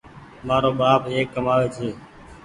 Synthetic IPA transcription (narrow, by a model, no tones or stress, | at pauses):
maːɾoːɓaːpeːkːəmaːʋeːt͡ʃʰeː